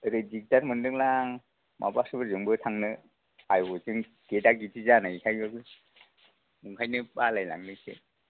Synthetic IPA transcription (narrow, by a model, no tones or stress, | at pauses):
ɾed͡ʒik̚taɾmɯndɯŋlaŋ | mʔa̰basɯbɯɾzɯŋbɯtʰaŋnɯ | ajbɯzɯŋ | kedaɡitʰizanaikʰajbɯɡɯ | muŋkʰajnɯbalajla̰ŋnɯsḛ